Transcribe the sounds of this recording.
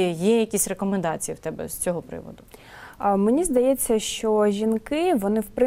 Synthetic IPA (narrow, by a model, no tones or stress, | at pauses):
jɛjɐkʲisʲrekɔmend̪ɑt͡sʲijiwt̪ɛbɛ̰z̥t͡sʲɔɦɔpɾɪ̰ʋɔ̰d̪ʊ | menʲizd̪ɐjɛt͡sʲːɐʃt͡ʃɔʒʲinkɪʋɔnɪwpɾɪ